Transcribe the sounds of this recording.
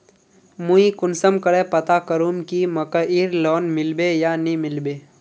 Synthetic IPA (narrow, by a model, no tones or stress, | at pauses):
muikʊnsəmkəɽeːpɐt̪akəɾuːmkimɐkəiːɾlɔːnmɪlbeːjaːnimɪlbeː